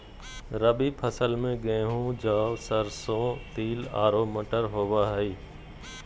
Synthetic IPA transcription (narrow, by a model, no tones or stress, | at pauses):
ɾəbiːpʰəsəlmẽɡẽːɦũd͡ʒaːʋsəɾsõːt̪iːla̰ːɾoːməʈəɾɦoːʋaːɦəiː